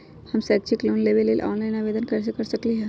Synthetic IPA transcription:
hɐmsɛːk̚t͡ʃʰikloːnleːʋeleːlʔɔ̰ːnlaːɪnaːʋeːd̪ənkɐɾs̬ekɐɾsɐkliɦɛ̃ː

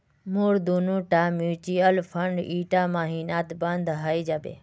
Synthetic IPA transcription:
muːɾd̪unũːʈaːmjuːt͡ʃiəlfʰəɳɖiːʈaːmaːɦiːnaːt̪bə̃nd̪ɦaːid͡ʒaːbḛː

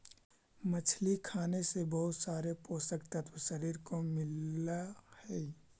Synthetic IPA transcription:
mət͡ʃʰlikʰaːnesebɐɦʊt̪saːɾepoːsəkt̪ət̪ʰwʃəɾiːɾkomɪlahɛː

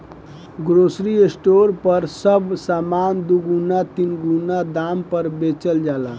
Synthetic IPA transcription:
ɡɾosɾiesʈoɾpəɾsəbsamand̪uɡunat̪inɡunad̪ampəɾbet͡ʃəld͡ʒala

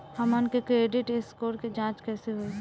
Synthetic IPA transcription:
həmənkekɾeːɖɪʈeskoːɾked͡ʒãːt͡ʃkɛːseɦoe

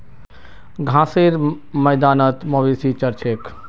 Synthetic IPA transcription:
ɡʱãːseɾ | mɐjd̪aːnət̪mɐʋiːsit͡ʃɐɾt͡ʃek

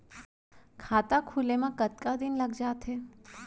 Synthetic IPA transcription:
kʰaːt̪akʰulemãkət̪kad̪inləɡd͡ʒaːt̪ʰɦe

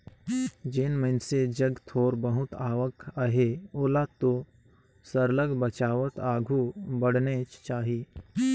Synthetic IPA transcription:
d͡ʒenmənsed͡ʒəɡt̪ʰoːɾbəɦʊt̪aːʋəkʰəɦeoːlat̪o | səɾləɡbət͡ʃaːʋət̪aːɡʱubəɽnet͡ʃt͡ʃaːɦi

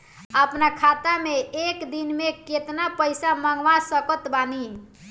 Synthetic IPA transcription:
əpnakʰat̪ameekd̪inmeket̪napəjsamaŋɡʋasəkət̪bani

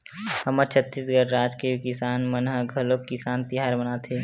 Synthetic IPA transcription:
həməɾt͡ʃʰət̪ːiːsɡəɾɾaːd͡ʒkekɪsaːnmənɦəɡʱəlob̚kɪsaːnt̪iɦaːɾmɐnat̪ʰeː

